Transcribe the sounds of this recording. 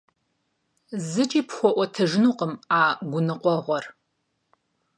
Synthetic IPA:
zɨt͡ʃʼiːpχʷɔʔʷɔtʰɐʒɪnuːqəmaːɡʷʊnɨqʷʼɔʁʷɔr

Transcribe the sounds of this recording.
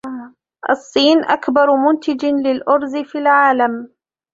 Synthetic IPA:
ʔɑ̰sˤːiːnʔakbɑɾˤmʊnt̪ɪd͡ʒɪlɪlʔʊɾzfiːlʕaːlam

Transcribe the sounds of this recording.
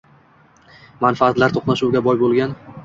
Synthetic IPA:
manfaat̪laɾt̪ʰoχnaʃuwɡʲabɒjbolˠɡʲan

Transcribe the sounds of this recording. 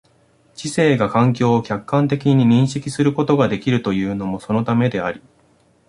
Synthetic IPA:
t͡ɕise̞ːɡakãŋk̬ʲo̞ːkʲakːãnt̪e̞kʲiɲ̟iɲ̟ĩɰ̃ɕikʲisɨɾɯ̟ko̞t̪o̞ɡad̪e̞kʲiɾɯ̟t̪o̞jɯ̟ːno̞mo̞so̞no̞t̪ame̞d̪e̞aɾʲi

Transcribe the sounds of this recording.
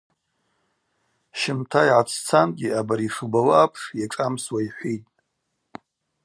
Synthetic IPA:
ʃɪmtʰajʕat͡sʰt͡sʰanɡʲiʔabaɾiʂubawaʔapʰʂjaʈ͡ʂʼamswaiħʷitʼ

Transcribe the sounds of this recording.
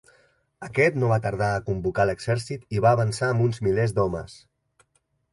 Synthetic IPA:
əkɛt̪noβ̞at̪əɾð̞aəkumbukaləɡz̥ɛɾsit̪iβaːβənsaəmbunzmilezd̪ɔmə̰s

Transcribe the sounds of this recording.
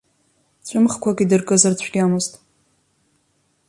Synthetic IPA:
t͡ɕʷʼʊmχkʷʰaɡʲʼidɨrkʼɨzɨrt͡ɕʷʰɡʲamoztʼ

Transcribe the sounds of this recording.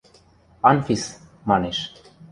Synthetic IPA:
ɑnfis | mɑneʃ

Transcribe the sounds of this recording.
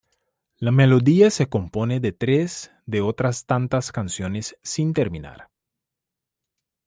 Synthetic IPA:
lamelo̞ðiase̞ko̞mpo̞neðet̪ɾez | d̪eot̪ɾast̪ant̪askansjo̞nesːint̪eɾmĩna̰ɾ

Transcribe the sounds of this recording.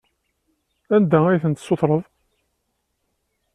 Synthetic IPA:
ænd̪ææjθənt̪sːoθɾˤəðˤ

